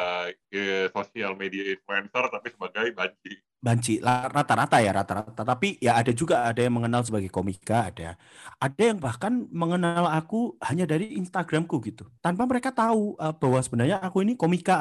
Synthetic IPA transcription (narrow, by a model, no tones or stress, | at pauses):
kəsosialmediainfluɛnsərt̪apisəbaɡajbaɲt͡ʃi | baɲt͡ʃilarat̪aɾat̪ajaɾa̰t̪aɾat̪at̪apijaːdad͡ʒuɡaːdajaŋməŋənals̬əbaɡajkomikaːdaa̰ | adajaŋbahkanməŋənaalakuhaɲadaɾiːnst̪aɡɾamkuɡit̪ut̪anpaməɾekat̪auʔəb̥aɦwasəbənarɲaːkuinikomika